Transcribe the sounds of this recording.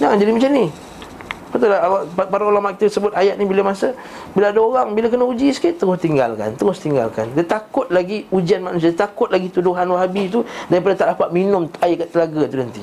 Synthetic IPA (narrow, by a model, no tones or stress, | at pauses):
naŋand͡ʒadimat͡ʃani | pat̪alaapapaɾaulamaʔki̥t̪asəbʊt̪ajaʔ̪̚nibilamasa | bilaadaoɣaŋbilak̬ənaud͡ʒisə̥kiʔt̪ːəɣʊst̪iŋɡa̰lka̰nt̪əɾʊst̪iŋɡa̰lka̰ndat̪akʊt̪̚laɡiud͡ʒianmanus̬iat̪akʊt̪̚laɡit̪udoɦanwaɦabit̪udaɾipadat̪aʔlapaʔ̪̚minʊmt̪aikaʔt̪əlaɡat̪udənt̪i